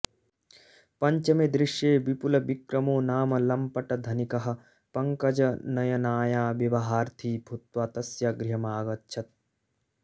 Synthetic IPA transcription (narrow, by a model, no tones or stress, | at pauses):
pɐɲt͡ʃɐmed̪ɾɪʃjeːʋipulɐbikɾɐmoːnaːmɐlɐmpɐʈɐd̪ʱɐnikɐɦɐ̆ | pɐŋkɐd͡ʒɐnɐjɐnaːjaːʋjɐʋɐɦaːɾt̪ʰiːbʱut̪ʋaːt̪ɐsjɐɡɾjɐmaːɡɐtʃʰɐt̪̚